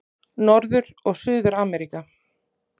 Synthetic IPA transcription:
nɔɾðʏɾ | ɔɣsʏːðʏɾaːmɛɾika

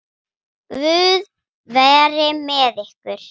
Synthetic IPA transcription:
vʏːð | vɛːɾɪmɛðɪhkvʏɾ̥

